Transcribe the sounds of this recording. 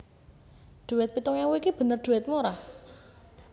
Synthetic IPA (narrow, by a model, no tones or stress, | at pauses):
ɖ̪̥ṳwɪt̪̚pit̪uŋawoikib̥ə̤nərd̪̥ṳwɛt̪̚moɾa